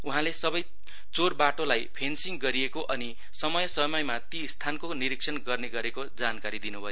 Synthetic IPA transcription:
uɦãlesʌbʌj | t͡sorbaʈolajpʰensiŋɡʌɾiekoʔʌni | sʌmʌjʌsʌmʌjmat̪ist̪ʰankoniɾiksʰʌnɡʌrneɡʌɾekod͡zankaɾid̪inubʱʌjo

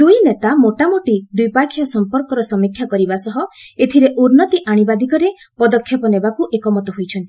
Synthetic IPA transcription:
d̪ujnet̪amoʈamoʈid̪ujpakʰjɔsɔmpɔɾkɔɾɔsɔmikʰjakɔɾibasɔɦɔet̪ʰiɾeʔuɾnɔt̪iʔaɽ̃ibad̪ikɔɾe | pɔd̪ɔkʰːjɔpɔnebakuʔekɔmɔt̪ɔɦojt͡ʃʰɔnt̪i̥

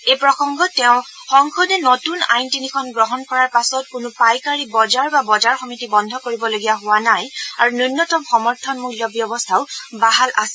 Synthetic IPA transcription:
ejpɹɔxɔŋɡɔtɛʊ̃ | xɔŋkʰɔdɛnotuna̰jntinikʰɔnɡɹɔɦɔnkɔɹaɹpasɔt̚kʊnʊpajkaɹibɔzaɹbabɔzaɹxɔmitibɔndʱɔkoɹibɔloɡijaɦʊwanajaɹununːɔtɔmxɔmɔɹtʰɔnmuliɔbjɔbɔstʰaʊbaɦalʔasɛ̥

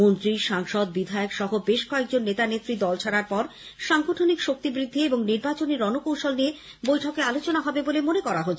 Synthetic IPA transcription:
mont̪ɾiʃaŋʃɔd̪̚bid̪ʱaokʃɔɦobeʃkɔek̚d͡ʑonːet̪anet̪ːɾid̪ɔlt͡ɕʰaɾaɾpɔɾʃaŋɡoʈʰonikʃok̚t̪ibɾid̪ʱːieboŋniɾbat͡ɕoneɾɔnokowʃolnie | bojʈʰɔkealot͡ɕonaɦɔbebolemonekɔɾaɦotːʰe

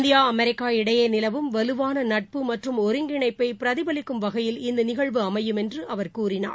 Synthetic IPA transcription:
nd̪ɪjaːɐmɛɾɪkːaːɪɽɐjɐnɪlɐʋɯmʋɐlɯʋaːnɐnɐʈ̚pɯmɐʈrɯmɔɾɯŋɡɪɳɐɪpːɐɪpɪɾɐðɪbɐlɪkːɯmʋɐɣɐjɪlɪnd̪ɯnɪɣɐɭʋɯɐmɐjɯmɛndrɯʔɐʋɐɾkuːrɪna̰ː

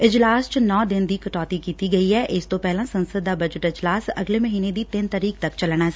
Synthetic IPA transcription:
ɪd͡ʒlaːst͡ʃnɔːd̪ɪnd̪iːkəʈɔːt̪ikiːt̪iɡəiɦɛːʔɪst̪opɛɦlãsə̃nsəd̪ːaːbəd͡ʒəʈɪd͡ʒlaːsə̰ɡleməɦiːned̪iːt̪ɪnt̪əɾiːk̚t̪əkt͡ʃəlɽ̃aː

